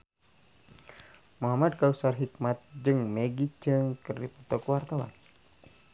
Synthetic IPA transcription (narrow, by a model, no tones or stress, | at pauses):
muɦamad̪̚kausarɦik̚mat̪̚d͡ʒɨŋmɛɡit͡ʃɨŋkɨrdipɔt̪ɔkuwart̪awa̰n